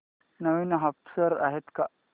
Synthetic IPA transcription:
nəʋiːnɦafsəɾa̰ɦet̪ka

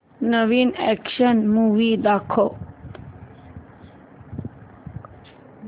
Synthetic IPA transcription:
nəʋinɛ̰kʃənmuʋid̪akʰo

